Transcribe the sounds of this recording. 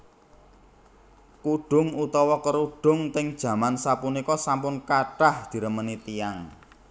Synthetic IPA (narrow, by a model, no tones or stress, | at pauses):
kuɖ̥ʊ̤ŋut̪ɔwɔkəɾuɖ̥ʊ̤ŋt̪ɪŋd̥ʒ̥ä̤mansapunikɔsampʊnkaɖ̥a̤hd̪̥i̤ɾəmənit̪ijaŋ